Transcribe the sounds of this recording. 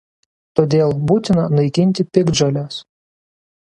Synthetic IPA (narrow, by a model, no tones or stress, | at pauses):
t̪oːd̪ʲeːlˠbuːt̪ʲɪnɐnɐɪkʲɪnʲt̪ʲɪpʲɪɡd͡ʒɐlʲɛs